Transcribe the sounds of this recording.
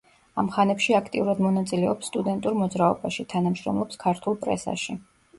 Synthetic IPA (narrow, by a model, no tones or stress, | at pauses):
amχanɛpʃiakʰt̪ʼḭuɾad̪mɔnat̪sʼilɛɔpsːt̪ʼud̪ɛnt̪ʼuɾmɔd̪zɾaɔbaʃit̪ʰanamʃɾɔ̰mlˠɔpskʰaɾt̪ʰulˠpʼɾɛ̰sa̰ʃi